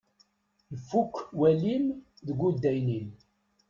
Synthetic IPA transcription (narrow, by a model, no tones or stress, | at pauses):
nəfːukːwælim | ðəɡʷud̪ːæjnin